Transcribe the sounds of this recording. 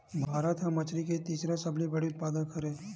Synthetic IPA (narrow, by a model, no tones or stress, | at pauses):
bʱaːɾət̪ɦãmɐt͡ʃɾiket̪iːsɾasɐblibɐɽiʊt̪̚paːd̪ənkɐɾẽ